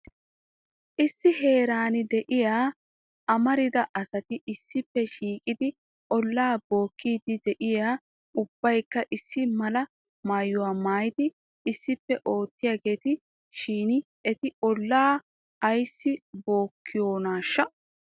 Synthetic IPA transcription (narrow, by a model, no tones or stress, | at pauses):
ʔɪsːɪɦe̞ːɾaːnɪd̪ɛʔɪjaː | ʔɐmɐɾɪd̪ɐʔɐsɐt̪ɪʔɪsːɪpːɛʃiːkʼɪd̪ɪ | ʔɔlːaːbo̞ːkːiːd̪ɪd̪ɛʔɪjaː | ʊb̥ːɐjkːɐʔɪsːɪmɐlɐ | maːjːʊwaːmaːjɪd̪ɪ | ɪsːɪpːɛʔo̞ːt̪ːɪjaːɡe̞ːt̪ɪ | ʃiːnɪ | ɛt̪ɪʔɔlːaː | ɐjsːɪbo̞ːkʰːɪjo̞ːnaːʃːɐ